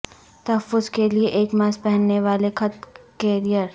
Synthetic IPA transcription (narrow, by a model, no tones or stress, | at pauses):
t̪ɐɦəfːʊzkelieʔeːkmaːspɛɦənːeʋaːlekʰɐt̪kɛːɾijəɾ